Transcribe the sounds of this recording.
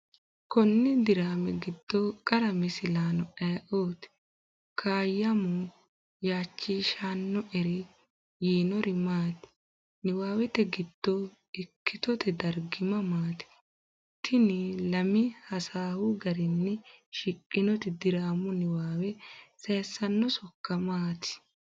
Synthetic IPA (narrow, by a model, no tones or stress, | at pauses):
kɔnːɛd̪ɪɾaːmɛɡɪd̪̥ːɔkʼɐɾɐmɪsɪlaːnɔɛːʔoːt̪ | kʰaːjːɐmʊ | jaːt͡ʃːiːʃaːnːɔʔɛɾɪ | jiːnɔɾɪmaːt̪ | nɪwaːwɛt̪ɛɡɪd̪̥ːɔ | ɪkːɪt̪ɔt̪ʰɛd̪ɐɾɡɪmɐmaːt̪ɪ̥ | t̪ʰːɪnɪlɐmɪhɐsaːhʊɡɐɾɪnːɛʃɪkʼːɪnɔt̪ɪd̪ɪɾaːmʊnɪwaːwɛseːsːɐnːɔsɔkːɐmaːt̪ɪ̥